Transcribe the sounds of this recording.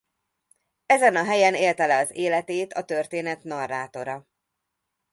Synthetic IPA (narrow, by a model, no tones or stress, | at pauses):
ɛzɛnɒɦɛjɛneːlt̪ɛlɛɒzeːlɛt̪eːt̪ɒt̪ø̞rt̪eːnɛt̪nɒrːaːt̪o̞ɾɒ